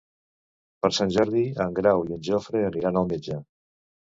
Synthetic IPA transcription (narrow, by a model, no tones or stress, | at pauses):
pəɾsanʲʒəɾðiəŋɡɾawiənʲʒofɾeəniɾanəlˠmed͡ʒa